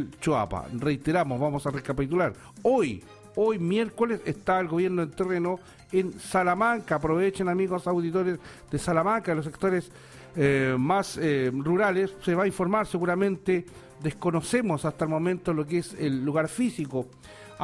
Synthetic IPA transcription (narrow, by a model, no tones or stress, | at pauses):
lt͡ʃoa̰pa̰rejt̪eɾamozβamosarekapit̪ulaɾ | oj | ojmjeɾkolesest̪aelɣoβjeɾnoent̪ereno | ensalamaŋkaːpɾoβet͡ʃenamiɣosawðit̪oɾes | ðesalamaŋkaelos̬ek̚t̪oɾes | masruɾalesːeβaiɱfo̞ɾmaɾseɣuɾamẽnt̪e | d̪ehkonosemosast̪aelmo̞mẽnt̪olok̬eselːuɣaɾfisiko